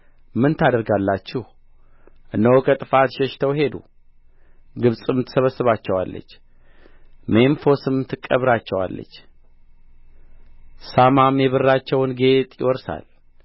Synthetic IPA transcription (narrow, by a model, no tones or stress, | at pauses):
mɨnt̪ʰad̪əɾɡalːat͡ʃːɪh | ʔɨnːəwkʰət̪ʼɨfat̪ʃɛʃt̪ʰəwhe̞d̪ṵ | ɡɨβsʼɨmt̪ʰə̥səβəsəβat͡ʃːɛwa̰lːə̰t͡ʃː | menfo̞sɨmt̪ʰɨkʼːəβɾat͡ʃːɛwa̰lːə̰t͡ʃː | samamjɛβɨrːat͡ʃːɛwnɡe̞t̪ʼjɪ̰wɔɾsa̰l